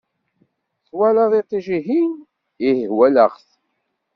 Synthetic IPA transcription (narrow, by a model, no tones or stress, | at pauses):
θwælɑðˤit̪ˤːiʒiɦin | ihhwæləʁθ